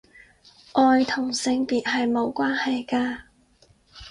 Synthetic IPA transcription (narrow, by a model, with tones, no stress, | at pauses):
ʔɔː˨˧jt̪ʰʊ˨˩ŋsɪ˧ŋpiː˨t̚ɦɐ˨jmo˨˧wkʷaː˥nhɐ˨jkaː˧